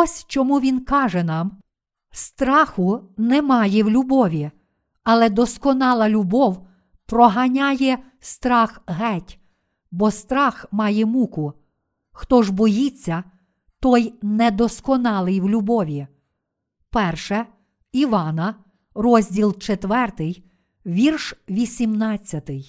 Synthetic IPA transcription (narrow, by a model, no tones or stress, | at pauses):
ɔsʲt͡ʃɔmuʋʲinkɑʒɛnɑm | st̪ɾɑxʊnɛmɑjɛwlʲʊbɔʋʲi | ɐlˠɛd̪ɔskɔnɑlˠɐlʲʊbɔw | pɾɔɦɐnʲajɛ | st̪ɾɑxɦɛtʲ | bɔst̪ɾɑxmɑjɛmukʊ | xt̪ɔʒbɔjit͡sʲːɐ | t̪ɔjnɛd̪ɔskɔnɑlˠɪjwlʲʊbɔʋʲi | pɛrʃɛ | iʋɑnɐ | rɔzʲdʲilˠt͡ʃet̪ʋɛrt̪ɪj | ʋʲirʃʋʲisʲimnɑt͡sʲːɐt̪ɪj